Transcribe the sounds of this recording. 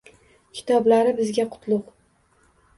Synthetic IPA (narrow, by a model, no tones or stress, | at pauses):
kʲʰɪ̥t̪ʰɒblaɾɪbɪzɡʲaqʰʊ̥t̪lˠʊq